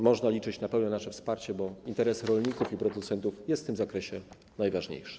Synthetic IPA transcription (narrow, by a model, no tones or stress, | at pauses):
mɔʐnalʲit͡ʂɘt͡ɕnapɛwnɛnaʂɛfspaɾt͡ɕɛbɔint̪ɛɾɛsɾɔlɲikufipɾɔd̪ut̪sɛnt̪ufjɛst̪t̪ɘmzakɾɛɕɛ | najvaʐɲḛjʂɨ̥